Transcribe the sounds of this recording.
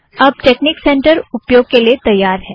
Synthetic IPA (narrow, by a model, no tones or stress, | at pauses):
ɐb̚ʈeːknɪksɛ̃ːɳʈəɾʊpjoːɡ̚keliet̪ɐjːaːɾɦɛː